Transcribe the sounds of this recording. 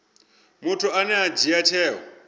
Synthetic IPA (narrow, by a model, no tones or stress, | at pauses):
mutʰuanɛad͡ʒiat͡ʃʰɛːɦɔ̰